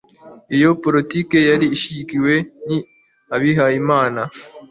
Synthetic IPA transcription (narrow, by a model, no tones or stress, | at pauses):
ijo̞poɾitike̞jaɾiːʃikiwe̞ni | aβiɦaimaːna